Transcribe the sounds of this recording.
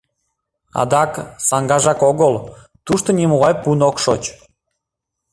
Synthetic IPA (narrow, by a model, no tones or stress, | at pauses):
ɑ̰d̪ɑksɑŋɡɑʒɑkoɣəlˠ | t̪uʃt̪onʲimoʁɑjpunokʃot͡ɕ